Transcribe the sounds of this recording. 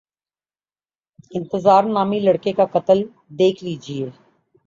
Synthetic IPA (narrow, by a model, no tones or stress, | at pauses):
ɪ̃nt̪əzaːɾnaːmilɐɽkekakɐt̪əl | d̪eːkʰliːd͡ʒie